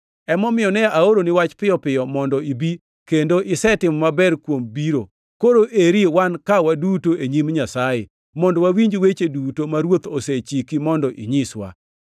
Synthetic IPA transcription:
ɛmɔmɪjɔnɛaoɾonɪwat͡ʃpɪjɔpɪjɔmɔndɔibi | kendoʔɪsɛtɪmɔmabɛɾkwombiɾo | koɾoʔeɾiwankawadutoʔeɲimɲasaje | mɔndɔwawiɲd͡ʒwet͡ʃedutomaɾwot̪oset͡ʃikimɔndɔʔiɲɪswa̰

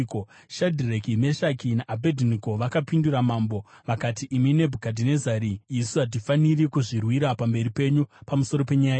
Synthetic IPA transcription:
ko | ʃadʱirekime̞ʃakinaʔabʱedʱinikoʋakapinduɾamaːmbo̞ʋakatiʔːmine̞bʱukadʱinezaɾiːsuɦat̬ifanirikuʐirwiɾapambe̞ɾipe̞ɲupamuso̞ɾo̞pe̞ɲaja

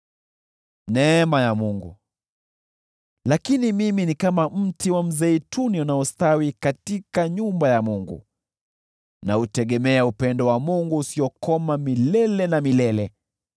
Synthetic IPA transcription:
nɛːmajamuŋɡṵ | lakinimiminikamam̩tiwam̩zɛituniunaɔstawikatikaɲumbajamuŋɡṵ | nautɛɠɛmɛaupɛndɔwamuŋɡuːsiɔkɔmamilɛlɛnamilɛlɛ

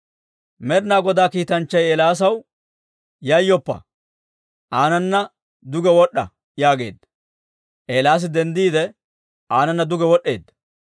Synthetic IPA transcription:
mɛɾnaːɡɔd̪aːkiːt̪ɐnt͡ʃːɐjeːlaːs̬ɐw | jɐjːɔpːɐ̰ | ʔaːnɐnːɐ | d̪ʊɡɛwɔɗːɐ | jaːɡe̞̰ːd̪ːɐ | ʔeːlaːs̬ɪd̪ɛnd̪iːd̪ɛ | ʔaːnɐnːɐd̪ʊɡɛwɔɗːe̞ːd̪ːɐ

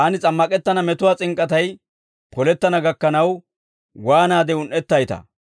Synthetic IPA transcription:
ʔɐnɪt͡sʼɐmːɐkʼɛt̪ːɐnɐmɛt̪ʊwaːt͡sʼɪŋkʼɐt̪ɐj | pʰɔlɛt̪ːɐnɐɡɐkːɐnɐw | waːnaːd̪ɛʊnʔːɛt̪ːɐjt̪ɐ̰

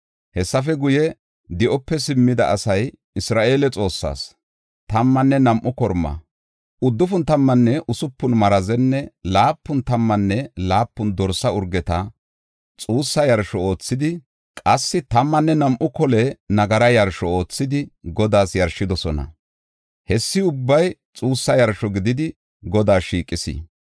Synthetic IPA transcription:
hɛsːɐfɛɡʊjɛ | d̪ɪʔɔpːɛsɪmːɪd̪ɐʔːsɐj | ɪsɾaːʔe̞ːlɛt͡sʼo̞ːsːa̰ːs | t̪ɐmːɐnːɛnɐmʔʊkɔɾmːɐ̰ | ʊd̪ːʊfʊnt̪ɐmːɐnːɛʔʊsʊpːʊnmɐɾɐzɛnːɛlaːpːʊnt̪ɐmːɐnːɛlaːpːʊnd̪ɔɾsɐʊɾɡɛt̪ɐ | t͡sʼuːsːɐjɐɾʃɔo̞ːt͡sːɪd̪ɪ | kʼɐsːɪt̪ɐmːɐnːɛnɐmʔʊkɔlɛnɐɡɐɾɐjɐɾʃɔo̞ːt͡sːɪd̪ɪɡɔd̪aːsjɐɾʃɪd̪ɔsɔnɐ̰ | hɛsːɪʊbːɐjt͡sʼuːsːɐjɐɾʃɔɡɪd̪ɪd̪ɪ | ɡɔd̪aːʃiːkʼːɪsɪ̰

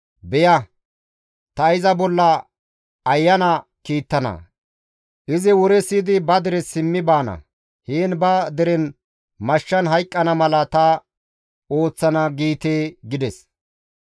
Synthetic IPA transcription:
bɛjɐ | t̪ɐɪzɐbɔlːɐː | jːɐnɐkiːt̪ːɐnɐ̰ | ʔɪzɪwɔɾɛsid̪ɪbɐd̪ɛɾɛsɪmːɪbaːnɐ̰ | hiːnbɐd̪ɛɾɛn | mɐʃːɐnɦɐjkʼːɐnɐmɐlɐt̪ɐ | o̞ːt͡sːɐnɐɡiːt̪eːɡɪd̪ɛs

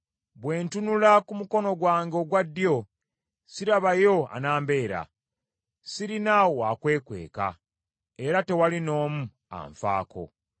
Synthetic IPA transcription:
βwe̞ːntunulakumuko̞no̞ɡwaːŋɡeoɡwadːjo̞ | siɾaβajo̞a̰naːmbe̞ːɾa̰ | siɾinawoakwe̞ːkwe̞̰ːka̰ | eɾate̞walino̞ːmu | a̰ɱfa̰ːkʰo̞̰

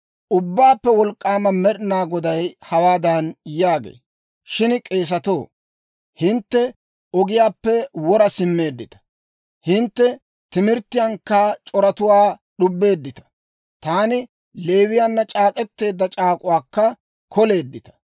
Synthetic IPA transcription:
ʔʊbːaːpːɛwɔlkʼːaːmɐmɛɗnaːɡɔd̪ɐjhɐwaːd̪ɐnjaːɡḛː | ʃɪnkʼe̞ːs̬ɐt̪o̞ː | hɪnt̪ːɛ | ɔɡɪjaːpːɛwɔɾɐsɪmːe̞ːd̪ːɪt̪ɐ̥ | hɪnt̪ːɛ | t̪ɪmɪɾt̪ːɪjaŋkːat͡ʃʼɔɾɐt̪ʊwaːɗʊbːe̞ːd̪ːɪt̪ɐ̥ | t̪aːnɪ | le̞ːwɪjanːɐt͡ʃʼaːkʼɛt̪ːe̞ːd̪ːɐt͡ʃʼaːkʼʊwaːkːɐ | kɔle̞ːd̪ːɪt̪ɐ̥

